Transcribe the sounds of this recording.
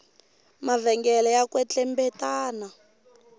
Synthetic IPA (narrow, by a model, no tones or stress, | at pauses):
mavɛŋɡɛlɛjakwɛt͡ɬɛmbɛtaːna